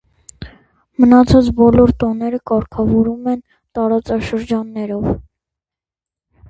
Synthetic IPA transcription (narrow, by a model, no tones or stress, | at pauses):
mənɑt͡sʰɑt͡sbɔlɔɾt̪ɔnɛɾəkɑɾkʰɑvɔɾumɛn | t̪ɑɾɑt͡sɑʃəɾd͡ʒɑnːɛɾɔv